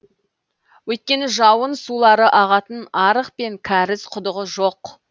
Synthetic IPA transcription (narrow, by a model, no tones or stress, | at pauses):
wɵt̪̚kʲe̞nɪʒɑwənsulˠɑɾəʔɑʁɑt̪ənɑɾəqpe̞ŋkʲʰæɾɪsqʰʊd̪əʁəʒoq